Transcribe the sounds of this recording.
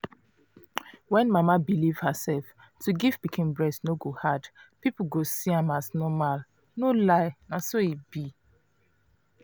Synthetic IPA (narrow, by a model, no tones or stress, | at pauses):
wɛ̃nmamabiliv̥həsɛlf | tuɡivbikʰĩmbɹɛsnoɡohadpipuɡosiãmaznɔmal | nolaɪnasoibi